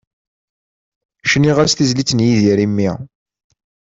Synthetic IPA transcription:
ʃniʁaɾsθizlit͡sːnjiðiɾimːi

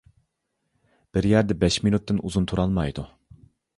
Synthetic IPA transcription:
b̥ɪɾjæɾd̪ɛbɛʃminut̪ːɨnuzunt̪ʰuɾɑlˠmɑjd̪u

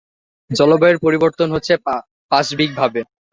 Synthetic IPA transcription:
d͡ʑɔlobaeɾpoɾiboɾt̪onɦotːɕʰe | paɕbik̚bʱabe

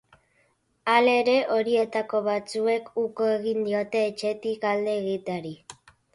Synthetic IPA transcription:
ale̞ɾe̞ʔo̞ɾie̞t̪ako̞βat͡sue̞kuko̞e̞ɣind̪io̞t̪e̞ːt͡ʃe̞t̪ikald̪e̞ːɣit̪aɾi

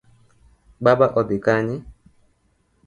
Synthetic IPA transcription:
ɡ͡babaʔɔbɪkaɲɪ

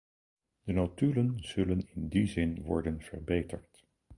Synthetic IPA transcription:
d̥ənowtylənz̥ɵlənɪndizɪnʋɔ̰ɹdənv̥ə̰ɹbejtʰəɹt

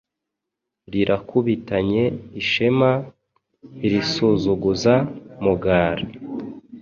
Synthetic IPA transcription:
ɾiɾʔakʰuβitaɲe̞iʃema | iɾisuzuɡuzamuɡaːɾa

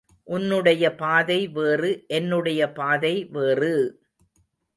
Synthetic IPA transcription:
ʔʊnːɯɽɐjɐpaːðɐɪʋeːrɯʔɛnːɯɽɐjɐpaːðɐɪʋeːrɯ

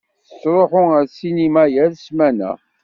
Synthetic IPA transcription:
θə̥sɾˤoħʊəɾsinimæjælsmænæ̰

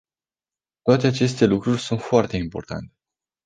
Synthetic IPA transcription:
t̪oat̪e̞at͡ʃe̞st̪e̞lukɾurʲsunt̪foart̪e̞impo̞rt̪a̰nt̪e̥

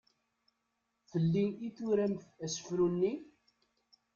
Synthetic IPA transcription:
θəlːiiθuɾæmθæsə̥fɾunːi

